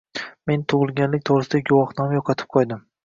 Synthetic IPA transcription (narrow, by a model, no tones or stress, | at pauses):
me̞nt̪ʰʊʁɨlˠɡʲanlɪk̚ʲt̪ʰoʁɾɪsɪd̪aɡʊwɒχnɒmajɒqʰɑt̪ʰɪ̥p̚qʰɒjd̪ɪm